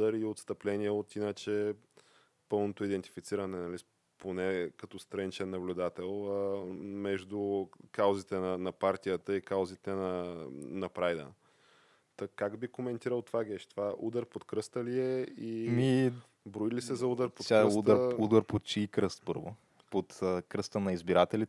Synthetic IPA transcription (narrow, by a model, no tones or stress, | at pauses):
d̪əɾiot̪st̪ɐplɛnʲiɛot̪inət͡ʃɛ | pɤlˠnot̪oid̪ɛnt̪i̥fit̪siɾɐnɛnɐli | ponɛkɐt̪ɔst̪ɾɐnit͡ʃɛnːɐblʲʊd̪at̪ɛlˠəmɛʒd̪ukawzit̪ɛnɐnɐpaɾt̪ijət̪əikawzit̪ɛnɐnɐpɾajd̪ə̰ | t̪ɐkaɡbikomɛnt̪iɾəlˠt̪ovaɡʲɛʃt̪ovaʔud̪əɾpot̪kɾɤst̪əliɛimi | bɾoilisɛzɐud̪əɾpot̪sʲaɛud̪əɾud̪əɾpot̪̚t͡ʃiikɾəst̪pɤɾvo | pot̪əkɾɤst̪ənɐizbiɾat̪ɛlit̪